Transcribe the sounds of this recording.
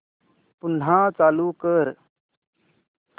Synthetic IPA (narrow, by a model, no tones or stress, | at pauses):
pʊn̤ɦãt͡saːluːkəɾ